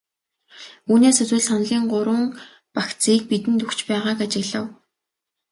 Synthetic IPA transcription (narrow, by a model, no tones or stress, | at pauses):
uːneːsɵt͡swɘ̆ɮsan̆ɮʲiːɴɢʊɾwʊ̆ŋ | pakt͡siːk̚pit̪ɘ̆nt̪ukt͡ɕpæːʁaːkat͡ɕɪ̆ɣɮə̆w